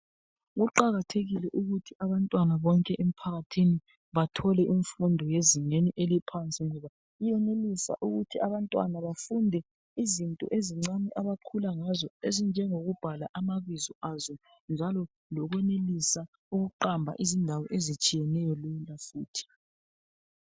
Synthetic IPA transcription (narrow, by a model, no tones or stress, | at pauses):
ɣuǃaɣatʰeɣilɛʔuɣutʰiaβantʼwanaβɔŋkʼɛʔem̩pʰaɣatʰini | βatʰɔlɛʔiɱfundʱɔjeziŋeniʔelipʰant͡sʼiŋɔβa | ijɛnelisa̰ʔuɣutʰiaβantʼwa̰naβafundʱɛ | izintʼɔ̰ʔeziŋ͡ǀamiʔaβakʰulaŋazɔezind͡ʒʱɛŋoɣub̥ʱalaʔamaβizɔazɔ | nd͡ʒʱalɔ | lɔɣwɛnelisa | uɣuǃambʱa̰ʔizindʱawɔʔezit͡ʃʼijɛnɛjɔlɛlafuːtʰi̥